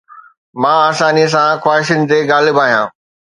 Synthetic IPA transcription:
mãːaːsaːniəs̬ãxwaːɦɪʃənɪ̆t̪eɡaːlɪbaːɦijã̰ː

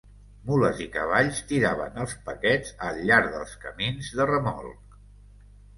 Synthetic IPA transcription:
muləzikəβaʎst̪iɾaβə̰nəlˠspəkɛd͡zəlːaɾðə̰lˠskəminzðərəmɔ̰lˠk

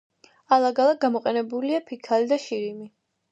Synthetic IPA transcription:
alˠaɡalˠaɡamɔqʼɛnɛbuliapʰikʰalid̪aʃiɾimi

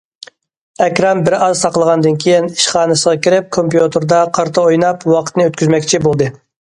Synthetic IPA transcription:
ɛkʲɾɑmbɪɾɑzsɑqlˠəʁɑnd̪ɨnkʲʰejiniʃχɑːnɨsəʁɑkʲiɾɪp̚kʰompjut̪ʰɨɾd̪ɑqʰɑɾt̪ʰəojnɑpwɑqʰə̥t̪nɨøt̪kʲyzmɛkʲt͡ʃʰibolˠd̪ɨ

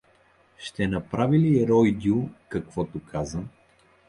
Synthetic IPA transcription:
ʃt̪ɛnɐpɾaviliɛɾɔjd̪ʲiukɐkv̥ɔt̪ʊkʰazə

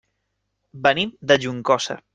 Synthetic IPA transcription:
bənimd̪əʒuŋkɔsə̰

